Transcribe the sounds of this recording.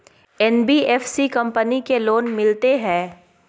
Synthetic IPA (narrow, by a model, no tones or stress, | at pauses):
ɛnbiːɛːfsikɐ̃mpənikeloːnmɪlt̪eɦɛ̃ː